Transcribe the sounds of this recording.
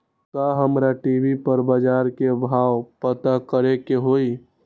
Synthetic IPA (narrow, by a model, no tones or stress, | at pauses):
kaɦəmɾaʈiːbipəɾbəd͡ʒaːɾkebʱaːwpət̪akəɾekeɦoːi